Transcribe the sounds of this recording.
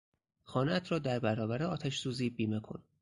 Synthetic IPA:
xɒːnæt̪ʰɾɒːd̪æɾbæɾɒːbæɾeɒːt̪ʰæʃsuːziːbiːmekʰo̞̰n

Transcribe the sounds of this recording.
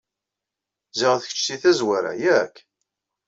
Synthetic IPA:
ziʁθəç̥t͡ʃsiθæzwaɾa̰jækː

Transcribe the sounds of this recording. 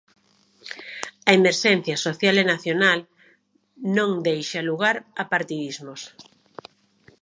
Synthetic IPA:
ɐemeɾʃɛn̟θjɐsoθjalenaθjonal | nõŋd̪ejʃaluɣaɾɐpaɾt̪iðizmos

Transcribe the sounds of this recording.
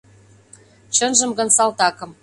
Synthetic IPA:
t͡ɕə̆nʒə̆mɡɤ̆nsɑlt̪ɑkɤ̆m

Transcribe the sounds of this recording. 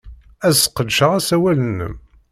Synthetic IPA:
æzə̥qəd̪ʃəʁæsæwælənːə̰m

